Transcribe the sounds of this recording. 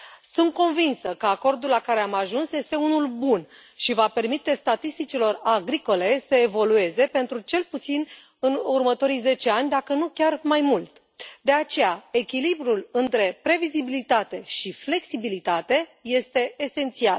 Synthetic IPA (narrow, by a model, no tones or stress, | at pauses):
sunt̪̚ko̞nvinsəkəako̞rd̪ulːakaɾe̞amaʒunsje̞st̪e̞unulbun | ʃivape̞rmit̪e̞st̪at̪ist̪it͡ʃilo̞raɡɾiko̞le̞səevo̞lue̞ze̞pe̞nt̪ɾut͡ʃe̞lput̪sin | ɨnurmət̪o̞ɾijze̞t͡ʃe̞anʲd̪akənukʲarmajmult̪ | d̪e̞at͡ʃe̞jae̞kʲilibɾulɨnt̪ɾe̞pɾe̞vizibilit̪at̪e̞ʃifle̞ksibilit̪at̪e̞je̞st̪e̞ːse̞nt̪sial